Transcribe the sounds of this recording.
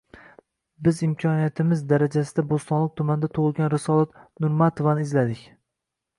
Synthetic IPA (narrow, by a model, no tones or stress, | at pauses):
bɪzɪmkʲʰɒnijat̪ʰɪmɪzd̪aɾad͡ʒasɪd̪abost̪ɒnlˠɪk̚ʲt̪ʰʊmand̪at̪ʰʊʁɨlˠɡʲanɾɪsɒlat̪nʊɾmat̪ʰovanɪzlad̪ɪkʲ